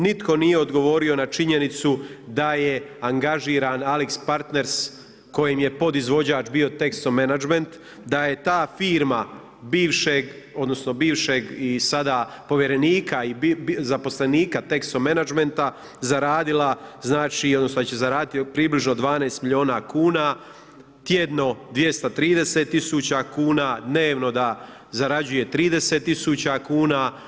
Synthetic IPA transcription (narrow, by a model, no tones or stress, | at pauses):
nit̪ko̞nije̞o̞d̪ɡo̞ʋo̞ɾio̞nat͡ʃiɲe̞nit̪sud̪ajeaŋɡaʒiːɾaːnalikspaɾt̪ne̞ɾs | ko̞jemje̞po̞d̪izʋo̞d͡ʑaːt͡ʃbio̞t̪e̞kst̪omenad͡ʒment̪ | d̪aje̞t̪aːfiːɾma | biːʋʃeɡ | o̞d̪no̞sno̞biːʋʃeɡisad̪aː | po̞ʋje̞ɾe̞niːkʰaizapo̞sleniːkat̪e̞kst̪omenad͡ʒme̞nt̪a | zaɾaːd̪ilˠaznaːt͡ʃio̞d̪nosod̪at͡ɕezaɾaːd̪it̪pɾiːbliʒnod̪ʋaːneːst̪miʎjo̞ːnakuːna | t̪je̞d̪no̞d̪ʋje̞st̪at̪ɾiːd̪e̞set̪ːisut͡ɕakuːnad̪ne̞ːʋno̞d̪a | zaɾad͡ʑuje̞t̪ɾiːd̪e̞set̪ːisuːt͡ɕakuːna